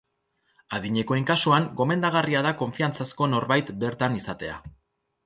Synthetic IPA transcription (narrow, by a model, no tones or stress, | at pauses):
aðiɲe̞ko̞eŋkasuaŋɡo̞me̞nd̪aɣ̞ariaðako̞ɱfiant͡sasko̞no̞ɾβajt̪be̞ɾt̪anisat̪e̞a̰